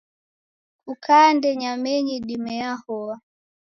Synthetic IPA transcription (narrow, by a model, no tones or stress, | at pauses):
kukʰandɛɲamɛɲiɗimɛahɔa